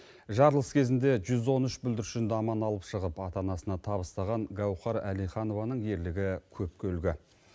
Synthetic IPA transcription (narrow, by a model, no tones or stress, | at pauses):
ʒɑɾlˠəskʲʰe̞zɪnd̪e̞ʒʏzwo̞nʏʃbʏld̪ɪɾʃɪnd̪ɑmɑnɑlˠəpʃəʁəpɑt̪ɑnɑsənɑt̪ʰɑβəst̪ɑʁɑŋɡɑwχɑɾælijχɑno̞vɑnəɴje̞ɾlɪɡʲɪkʲʰɵp̚kʲʰɵlɡʲɪ